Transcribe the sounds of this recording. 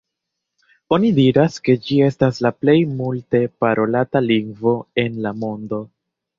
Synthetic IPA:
o̞nidiɾaske̞d͡ʒie̞staslaple̞jmulte̞paɾʔo̞lataliŋɡvo̞e̞nlamo̞ndo̞

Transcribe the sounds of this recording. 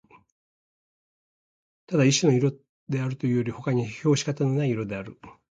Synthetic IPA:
t̪ad̪aiɕino̞iɾo̞ | d̪e̞aɾɯ̟t̪o̞jɯ̟ːjo̞ɾʲiho̞kaɲ̟iço̞ːɕi̥kat̪ano̞naiiɾo̞d̪e̞aɾɯ̟

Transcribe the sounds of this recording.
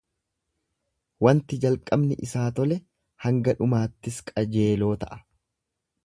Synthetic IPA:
wɐnt̪ɪd͡ʒɐlkʼːɐbnɪʔɪsaːt̪ɔlɛ | hɐŋɡɐᶑʊmaːt̪ːɪskʼɐd͡ʒe̞ːlo̞ːt̪ɐʔɐ̥

